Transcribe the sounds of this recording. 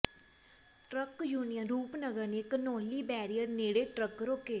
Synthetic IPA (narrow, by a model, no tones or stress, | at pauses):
ʈɾəkjuːnijənɾuːpnəɡəɾneɪknoːliːbɛːɾijəɾneːɽeːʈɾəkɾoːkeː